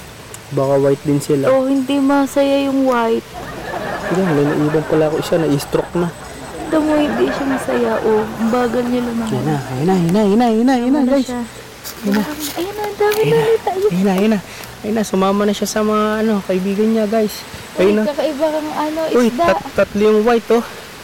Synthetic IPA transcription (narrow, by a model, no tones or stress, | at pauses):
baːkɐwajt̪̚d̪ɪnsɪlaʔohɪnd̪imɐsɐjajʊŋwajt̪̚ | ɪɡalɐjnɐʔiːbɐŋpɐlakoʃanɐʔɪst̪ɾok̚na | ɪnd̪ɐmohɪnd̪iʃamɐsɐjaʔobaːɡɐlɲɐlɐmɐjanajnajnajɪnajʊnajanaɡajs | jnaɐjʊnɐɐnd̪aːmɪɐliːt̪ajnajʊna | jnasʊmaːmɐnɐʃasɐmɐŋaʔɐno̞kɐʔɪbiːɡɐnɲaɡajs | ʔɐjʊnakɐkɐʔɪbakɐŋɐnoʔojd̪aʔt̪ɐt̪lɪjʊŋwajt̪o